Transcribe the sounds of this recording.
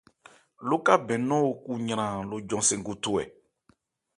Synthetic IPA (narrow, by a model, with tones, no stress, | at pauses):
lo˦ka˦bɛ̃˨nɔ̃˦o˨ku˦ɲã˨ɾ̃ã˨lo˨d͡ʒɔ̃˨sẽ˨ŋɡu˦to˦˨ɛ̰˨